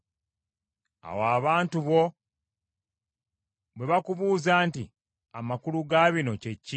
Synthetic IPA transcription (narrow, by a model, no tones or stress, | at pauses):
a̰waːβaːntuβo̞ | βwe̞βakuβuːzaːnti | a̰makuluɡaβino̞ce̞cːi